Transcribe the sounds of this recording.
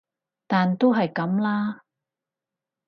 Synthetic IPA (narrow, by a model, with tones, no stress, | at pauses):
t̪aː˨nt̪o˥wɦɐ˨jkɐ˨˥mlaː˥